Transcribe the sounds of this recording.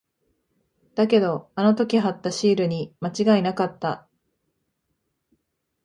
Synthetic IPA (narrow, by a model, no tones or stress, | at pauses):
d̪̥ake̞d̪o̞ano̞t̪o̞kʲiɦat̪ːaɕiːɾɯ̟ɲ̟imat͡ɕiɡainakat̪ːa